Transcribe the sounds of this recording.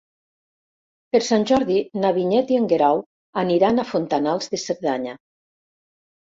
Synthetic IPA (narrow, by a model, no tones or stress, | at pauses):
peɾsanʲʒɔɾðinaβiɲɛt̪ieŋɡeɾaw | aniɾanafont̪analˠzðeseɾðaɲa